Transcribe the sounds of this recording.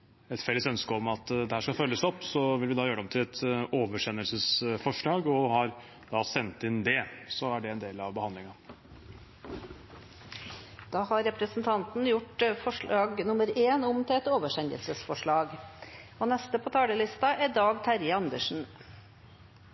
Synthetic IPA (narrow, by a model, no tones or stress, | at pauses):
ɛt̪fɛlːəsœnskəɔmɑt̪d̪ɛhæːʂkɑfœlːəsɔpːsɔʋɪlʋɪd̪ɑːjøːɾɔmt̪ʰɪlɛt̪oːʋəʂɛnːəlsəsfɔʂɭɑːɡɔhɑɾ | d̪̥ɑːsɛnt̪ɪnd̪ɛsɔæɖɛɛnd̪eːlɑʋbəhɑnd̪lɪŋɑ | d̪̥ɑːhɑɾɛpɾəsn̩t̪ʰɑnt̪n̩jʊʈfɔʂɭɑːɡnʊməɾeːnʊmt̪ʰɪlɛt̪oːʋəʂɛnə̰lsəsfɔʂɭɑːɡ | oːnɛst̪əpʰoːt̪ʰɑːləlɪst̪ɑʔɛd̪ɑːɡt̪ʰæɾjəɑnd̪əʂn̩